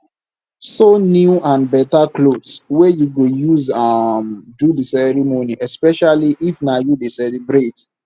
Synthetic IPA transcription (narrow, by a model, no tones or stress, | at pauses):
sonjuãnbɛtaklodswɛjuɡojuzamdudisɛɹimoniʔɛspɛʃaliʔifnajudesɛlibɾet